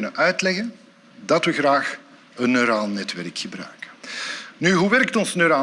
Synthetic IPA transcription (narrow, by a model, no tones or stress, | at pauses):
nəʔœɥtlɛɣən | dɑtʋəɣraːx | ənːøɾaːlˠnɛtʋɛrkxəbrœ̰ɥkə̥nyɦuʋɛrktɔnsnøɾaː